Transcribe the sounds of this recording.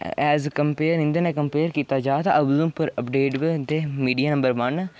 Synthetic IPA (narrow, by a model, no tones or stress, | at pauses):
ɛːzkəmpeːɾɪ̃nd̪ənɛːkəmpeːɾkiːt̪aːd͡ʒaːt̪aʔəbzũːpəɾəpɖeːʈbd̪eːmiːɖijaːnə̃mbəɾʋən